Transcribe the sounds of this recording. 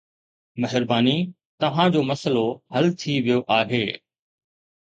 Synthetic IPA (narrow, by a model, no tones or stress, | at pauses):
mɐɦɪɾbaːni | t̪ɐʋ̤ãd͡ʑoːmɐsəlohɐlt̪ʰiʋijoʔaːɦeː